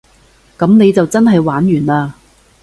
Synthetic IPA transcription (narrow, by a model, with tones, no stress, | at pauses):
kɐ˨˥mne˨˧jt͡sɐ˨wt͡sɐ˥nɦɐ˨jwaː˨˥njyː˨˩naː˧